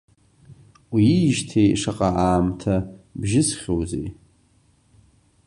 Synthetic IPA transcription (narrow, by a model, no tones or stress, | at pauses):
wiːʒtʰejʂaqʼaaːmtʰabʒɪsχʲowzḛj